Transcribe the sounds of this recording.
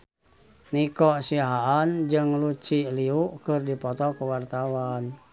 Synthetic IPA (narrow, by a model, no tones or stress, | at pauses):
nikɔsiɦaːnd͡ʒɨŋlut͡ʃiliuʔkɨrdipɔt̪ɔkuwart̪awan